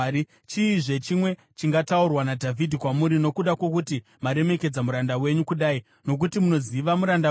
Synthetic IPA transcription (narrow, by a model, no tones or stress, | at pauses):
i | t͡ʃiːʐe̞t͡ʃimwe̞ | t͡ʃiŋɡataurwanadʱavʱidʱikwamuɾino̞kuɗakwo̞kuti | maɾe̞me̞ke̞d͡zamuɾandawe̞ɲukuɗai | no̞k̬utimuno̞ziʋamuɾanda